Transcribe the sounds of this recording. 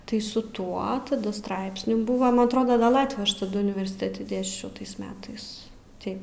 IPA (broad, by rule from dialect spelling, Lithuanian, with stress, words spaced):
tɐɪ sʊ ˈtuɔ tɐˈdɐ ˈstrɐɪpʲsʲnʲuː ˈbʊʋɐ ˈmɐn ɐtˈroːdɐ ˈɡɐlˠ ˈlˠɑːtʲʋʲuː ˈɐʃ tɐˈdʊ ʊnʲɪʋʲɛrʲsʲɪˈtʲeːtʲɪ ˈdʲeːsʲt͡ʃʲɛʊ ˈtɐɪs ˈmʲæːtɐɪs ˈtɐɪ